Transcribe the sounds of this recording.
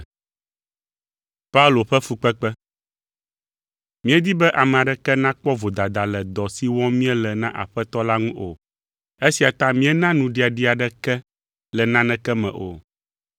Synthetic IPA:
pa˦u˦lo˨ɸɛ˦fu˨k͡pɛ˦k͡pɛ˦ | mĩ˦ɛ˦d̪i˦bɛ˦ʔa˨mɛ̃˨a˨ɖɛ˦kɛ˦nã˦k͡pɔ˦vo˨d̪a˨d̪a˨lɛ˨d̪ɔ˨si˦wɔ̃˦mĩ˦ɛ˦lɛ˨nã˦ʔa̰˨ɸɛ˦t̪ɔ˦la˦ŋũ˦ʔo̰˨ | e˦si˨a˨t̪ã˦mĩ˦ɛ˦nã˦nũ˨ɖi˦a˨ɖi˦a˨ɖɛ˦kɛ˦ | lɛ˨nã˦nɛ̃˦kɛ˦mɛ̰̃˨ʔo̰˨

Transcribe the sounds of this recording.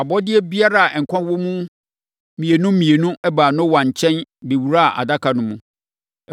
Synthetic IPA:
a˨bɔ˦dɪ˦ɛ˦bi˦a˦ɾa˦˨a˨ʔɛ˨ŋ̩˨kʷʰã˦wɔ˦mũ˦ | mĩ˨e˨nʊ̃˦mĩ˨e˨nũ˦ɛ˦baː˨nʊ̃˦wã˨ɲ̩˨t͡ɕʰɛ̃˦nbe˨wu˨ɾa˦˨ʔa̰˨da˦kʰa˨nʊ̃˦mṵ̃˨

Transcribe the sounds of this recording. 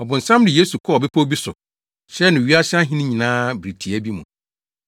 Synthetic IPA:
ɔ˨bʊ̃˨n̩˨sã˦mdɪ˨je˦su˨kʰɔ˦˨ɔ˨be˦pʰo˦bi˦sʊ˨ | ɕɛ˦nʊ̃˨ɥi˦a˦ɕɪ˦a˦ɦɪ̃˦nɪ̃˦ɲĩ˨nãː˦bɾi˨tʰi˨ɛ˦bi˦mṵ̃˨

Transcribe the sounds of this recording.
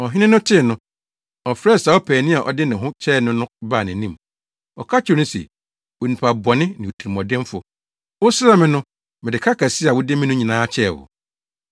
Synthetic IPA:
ɔ˨ɦɪ˦nɪ̃˦nʊ̃˦tʰɪ˦˨nʊ̃˦ | ɔ˨fɾɛ˦˨sa˨˦ɔ˦pʰæː˨nĩ˦a˨ʔɔ̰˨dɪ˦nɪ̃˨ɦʊ̃˦t͡ɕʰɛː˦˨nʊ̃˦nʊ̃˦baː˦˨nɪ̃˨nĩ˦˨m | ɔ˨kʰa˦t͡ɕʰɪ˨nʊ̃˦sɛ̰˨ | wo˨nĩ˨pʰa˨bɔ˨nɪ̃˦nɪ̃˨tʰi˨i˨mɔ̃˨dɪ̃˦m˦fʊ˨ | wʊ˦sa˦mɪ̃˨nʊ̃˦ | mɪ̃˨dɪ˨kʰa˦kʰa˨si˦a˨wʊ˦dɪ˦mɪ̃˦nʊ̃˦ɲĩ˨nãː˦t͡ɕʰɛ˦˨wʊ̰˨

